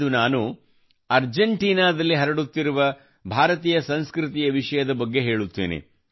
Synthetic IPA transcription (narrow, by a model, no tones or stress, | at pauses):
unaːnu | ɐɾd͡ʒɐɳʈiːnaːd̪ɐlːiɦɐɾɐɽut̪ːiɾuʋɐ | bʱaːɾɐt̪iːjɐsɐ̃nskɾɪt̪ijɐʋiʂɐjɐd̪ɐbɐɡːe̞ɦe̞ːɭut̪ːḛːnḛ